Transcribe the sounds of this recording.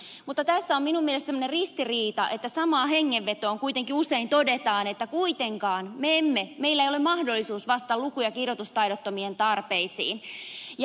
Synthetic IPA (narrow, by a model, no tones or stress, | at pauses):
mut̪ːɑt̪æsːæomminumːielest̪semːonerrist̪iriːt̪ɑʔe̞t̪ːæsɑmɑːhe̞ŋːeʋːe̞t̪oːŋkuit̪e̞ŋkiuseint̪odet̪ɑːne̞t̪ːækuit̪eŋkɑːnmeemːeme̞ilːæeijolemɑhdolːisuːsʋɑst̪ɑlukujɑkirjot̪ust̪ɑjɾot̪ːomient̪ɑrpeisḭːnj